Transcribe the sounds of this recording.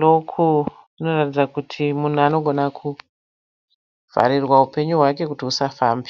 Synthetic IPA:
lokʰu | ino̞ratid͡zakutʰimun̤uano̞ɡʱo̞nakʰu | v̥a̰ɾirwaupe̞ɲuɦwake̞kutiusafaːmbi

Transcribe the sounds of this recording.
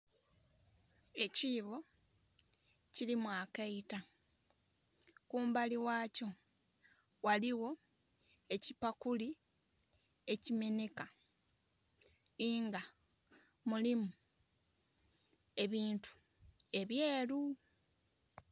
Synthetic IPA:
e̞ciːβo̞ | cilimwaːkaita | kuːmbaliwaːco̞ | waliwo̞ | e̞cipakuli | e̞cime̞neka | iŋɡa | mulimu | e̞βiːntu̥ | e̞βjeːlu

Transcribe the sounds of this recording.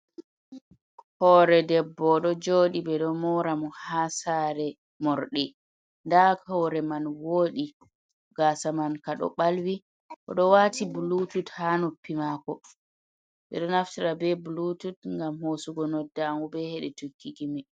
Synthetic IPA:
hɔɾɛdɛbːɔɗɔd͡ʒoːɗibɛɗɔmɔɾamɔhasaɾɛ | mɔɾɗɛ | ndakɔwɾɛmanwoːɗi | ɡ̥asamankaɗɔ̰ɓalwi | ʔɔ̰ɗɔwaːtibulututhanupːimakɔ | ɓɛ̰ɗɔnaftiɾabɛbulututŋɡamhosuɡɔnɔdːaŋɡubɛhɛɗɛtukːiɡimi

